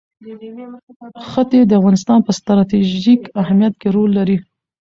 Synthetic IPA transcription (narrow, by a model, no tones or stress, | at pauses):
xət̪ed̪əafɣɑnɪst̪ɑnpəst̪ɾɑt̪iʒikahamjat̪̚keɾolːaɾi